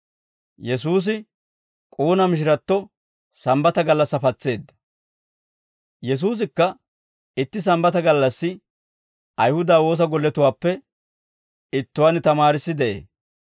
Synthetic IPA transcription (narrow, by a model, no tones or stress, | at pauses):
jɛs̬uːs̬ɪ | kʼuːnɐmɪʃ̬ɪɾɐt̪ːɔ | sɐmbɐt̪ɐɡɐlːɐsːɐfɐt͡sːe̞ːd̪ːɐ̥ | jɛs̬uːs̬ɪkːɐ | ɪt̪ːɪs̬ɐmbɐt̪ɐɡɐlːɐsːɪ | ʔɐjhʊd̪aːwo̞ːs̬ɐɡɔlːɛt̪ʊwaːpːɛ | ɪt̪ːʊwanɪt̪ɐmaːɾɪsːɪd̪ɛʔḛː